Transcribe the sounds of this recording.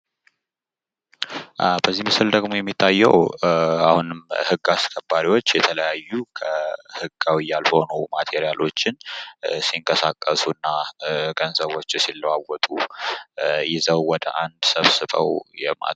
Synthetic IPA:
bəzːimɨsɨld̪əɡmo̞jɛmːit̪ʰːajːɛ̰wahunɨmhɨɡːaskʰəbːaɾiwo̞t͡ʃːjɛt̪ʰələjajːukʰəhɨɡːawijːalho̞numat̪ʰeɾijalo̞t͡ʃːɪnsiŋkʼəsakʼːəsunːaɡənzəβo̞t͡ʃːsilːwawːɔt̪ʼu | jɪzəwːɔd̪ə̰ʔand̪səβsɨβə̰wjɛma̰

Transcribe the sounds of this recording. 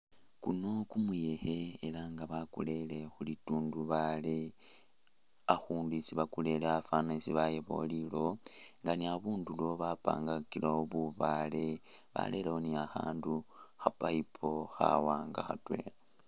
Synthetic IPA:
kuno̞kumuje̞xe̞ːlaŋɡaβakṵle̞le̞xulituːnduβale | axuːndisiβakule̞leafanaisiβajeβo̞̰lilo̞ŋɡaniaβuːndulo̞βapa̰ːŋɡakilooβuβale̞βa̰le̞lehoniaxa̰ːnduxapaipʰo̞xa̰waːŋɡaxa̰twe̞̰la

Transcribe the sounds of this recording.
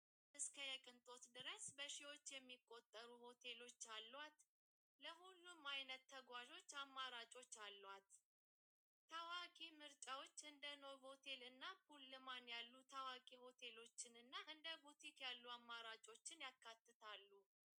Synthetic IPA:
ʔɨskʰəjɛkʼɨnt̪ʼo̞t̪d̪ɨɾəsbəʃiwo̞t͡ʃːjɛmːikʼːo̞t̪ʼːəɾuho̞t̪ʰe̞lo̞t͡ʃːalːwat̪ | ləhulːumajnət̪ʰːəɡwaʒo̞t͡ʃːamːaɾat͡ʃʼo̞t͡ʃːalːwat̪ | əwakʼimɨɾt͡ʃʼawot͡ʃːɨnd̪əno̞vot̪ʰe̞lɨnːapʰulːɨmanjalːut̪ʰəwakʼiho̞t̪ʰe̞lo̞t͡ʃːɪnɨnːaʔɨnd̪əbut̪ʰikjalːuamːaɾat͡ʃʼo̞t͡ʃːɪnjakːat̪ʰːɨt̪ʰalːu

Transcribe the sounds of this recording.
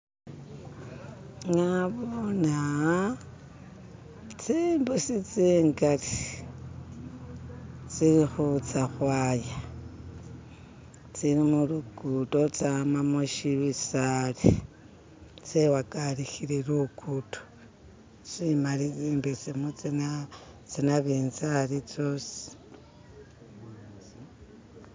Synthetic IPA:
ŋaβona | t͡simbesit͡siːŋɡaɾi | t͡siɾixut͡saxwaːja | t͡siɾimulukuto̞t͡samamuʃiβisali | t͡sewakalixiɾiɾukuto̥ | t͡simalit͡siːmbet͡semut͡sinat͡sinaβiːnzalit͡sosi̥

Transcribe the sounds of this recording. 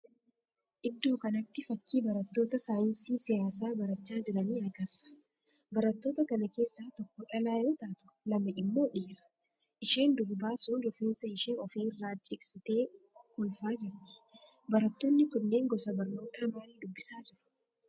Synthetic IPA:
ʔɪd̪ːo̞ːkɐnɐt̪ːɪfɐkːiːbɐɾɐt̪ːoːt̪ɐsaːjɪnsiːsɪjaːsaːbɐɾɐt͡ʃːaːd͡ʒɪɾɐniːɐɡɐrːɐ̥ | bɐɾɐt̪ːo̞ːt̪ɐkɐnɐke̞ːsːaːt̪ɔkːɔᶑɐlaːjoːt̪aːt̪ʊ̥ | lɐmɐʔɪmːo̞ːᶑiːɾɐ̥ | ʔɪʃe̞ːnd̪ʊɾbaːsʊːlɔfiːnsɐɪʃeːɔfiːɪrːaːt͡ʃʼɪksɪt̪e̞ː | kʊlfaːd͡ʒɪɾt̪ɪ̥ | bɐɾɐt̪ːɔnːɪkʊnːe̞ːŋɡɔsɐbɐɾno̞ːt̪aːmaːld̪ʊbːɪsaːd͡ʒɪɾʊ̥

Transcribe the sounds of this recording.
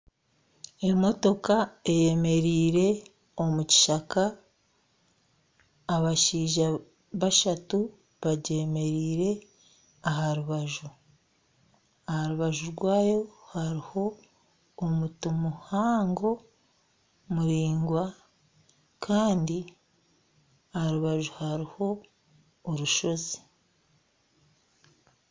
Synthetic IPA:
e̞mo̞to̞kae̞je̞me̞ɾiːɾe̞ | o̞muci̥ʃaka | βaʃiːʒa | βaʃatu | βaɟe̞me̞ɾiːɾe̞ | aɦaɾuβaʒu | ahaɾuβaʒuɾɡwaːjo̞haɾiho̞ː | mutumuhaːŋɡo̞ | muɾiːŋɡwa | kʰaːndi | ahaɾuβaʒuhaɾiho̞ː | ɾuʃo̞ze

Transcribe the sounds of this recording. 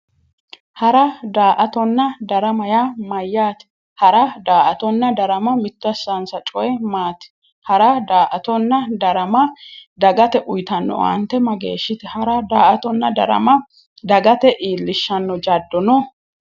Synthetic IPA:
hɐɾɐd̪aːʔɐt̪ɔnːɐd̪ɐɾɐmɐjamɐjːaːt̪ɪ̥ | hɐɾɐd̪aːʔɐt̪ɔnːɐd̪ɐɾɐmɐmɪt̪ːɐsɐnsɐt͡ʃʼɔjɛmaːt̪ɪ̥ | hɐɾɐd̪aːʔɐt̪ɔnːɐd̪ɐɾɐmɐd̪ɐɡɐt̪ɛʔʊjt̪ɐnːɔ̰wɐ̰nt̪ːɛmɐɡḛːʃːɪt̪ɛhɐɾɐd̪aːʔɐt̪ɔnːɐd̪ɐ̰ɾɐ̰mɐ | d̪ɐɡɐt̪ɛʔiːlːɪʃːɐnːɔd͡ʒɐd̪ːɔnɔ

